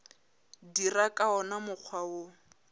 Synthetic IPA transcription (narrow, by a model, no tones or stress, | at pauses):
dirakʼaɔnamʊq͡χʰwaʊ